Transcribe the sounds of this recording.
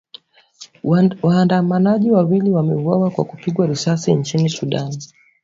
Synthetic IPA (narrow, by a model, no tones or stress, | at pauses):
waːndamanaʄiwawiliwamɛ̰uawakwa̰kupiɠwaɾisasint͡ʃinisuɗan